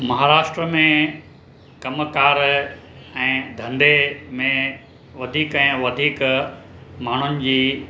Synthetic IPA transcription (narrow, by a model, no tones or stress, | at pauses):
mɐɦaːɾaːʃʈɾəmẽ | kɐmkaːɾ | ɛ̃ːd̪ʱɐ̃nd̪emẽ | ʋɐd̪ʱiːkɛ̃ːʋɐd̪ʱiːk | maːɳ̤ʊnɪ̆d͡ʑiː